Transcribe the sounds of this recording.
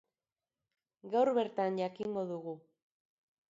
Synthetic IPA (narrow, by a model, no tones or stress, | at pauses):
ɡawɾβe̞ɾt̪anʝakiŋɡo̞ðuɣu